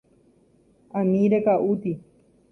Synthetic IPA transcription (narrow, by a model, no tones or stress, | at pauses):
amĩɾekaʔut̪i